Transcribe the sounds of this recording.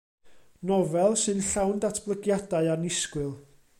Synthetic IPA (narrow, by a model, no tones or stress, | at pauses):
nɔvɛlˠsɨnɬawndatʰb̥lˠəɡjadaɨanɪskwɪlˠ